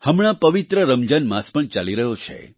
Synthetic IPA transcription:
həmɽ̃ãpəʋit̪ɾəɾəmd͡ʒənmãspəɳt͡ʃaliɾəɦot͡ʃʰḛ

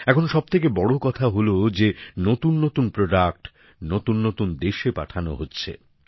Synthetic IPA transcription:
ɛkʰonʃɔb̚t̪ʰekebɔɽokɔt̪ʰaɦolod͡ʑenot̪unːot̪unpɾoɖak̚ʈ | not̪unːot̪und̪eʃepa̰ʈʰano̰ɦotːɕʰḛ

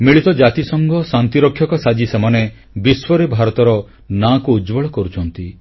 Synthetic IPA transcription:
miɭit̪ɔd͡ʒat̪isɔŋɡɔsant̪iɾɔkʰːjɔkɔsad͡ʒisemane | biswɔɾebʱaɾɔt̪ɔɾɔ | nakuːd͡ʒbɔɭɔkɔɾut͡ʃʰɔnt̪i

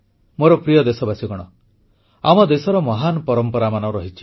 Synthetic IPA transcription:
moɾɔpɾijɔd̪esɔbasiɡɔɽ̃ɔ | a̰mɔd̪esɔɾɔmɔɦanɔpɔɾɔmpɔɾamanɔɾɔɦit͡ʃʰi̥

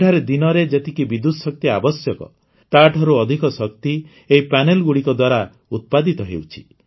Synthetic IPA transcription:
ʈʰaɾed̪inɔɾed͡ʒet̪ikibid̪ud̪ɔsɔk̚t̪iabɔsjɔkɔ̰ | t̪aʈʰɔɾuɔd̪ʱikɔsɔk̚t̪i | eipanelɡuɽikɔd̪waɾa | ut̪̚pad̪it̪ɔɦḛwt͡ʃʰi̥

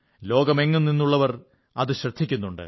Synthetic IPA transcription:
lo̞ːɡɐmeŋːunninːuɭːɐʋɐr | ɐðɨɕrɐd̪ʱikʲːunːuɳɖɨ̰

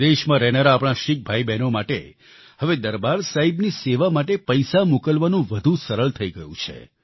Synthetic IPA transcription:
d̪eʃmãɾɛnəɾaːpɽ̃ãʃik̚bʱaibɛnomaʈḛ | həʋed̪əɾbaɾsaɦibniseʋamaʈepəjsamukəlʋanũʋəd̪ʱũsəɾəɭt̪ʰəiɡəjṵ̃t͡ʃʰḛ

